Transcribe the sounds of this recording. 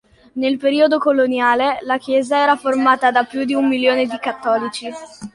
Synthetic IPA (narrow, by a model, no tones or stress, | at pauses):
nelpeɾiːod̪okolonjaːlelak̟jɛːzaɛːɾaformaːt̪ad̪apːjud̪iumːiljoːned̪ikat̪ːɔːlit͡ʃi